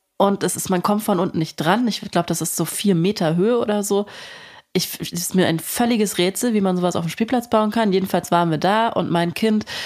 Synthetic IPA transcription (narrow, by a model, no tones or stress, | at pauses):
ʔʊnt̚d̥asɪstmankʰɔmtfɔnʔʊntn̩nɪçt̚d̥ʁanɪç̥laʊbəd̥asɪstz̥oːfiːɐmeːtʰɐɦøːəʔo̰ːdɐzoːʔɪçɛsɪ̥smiːɐʔa̰ɪnfœlɪɡəsʁeːt͡sl̩viːmanzoːvasʔa̰ʊfm̩ʃpiːlpl̥at͡sb̥aʊənkʰanjeːdn̩falsv̥aːʁnviːɐdaːʔʊ̰ntmaɪnkʰɪnt